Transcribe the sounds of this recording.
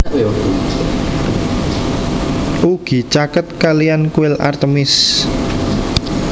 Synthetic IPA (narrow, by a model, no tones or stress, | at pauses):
ʔuɡ̥i̤t͡ʃakət̪̚kalijankuɪlʔa̰rt̪əmɪs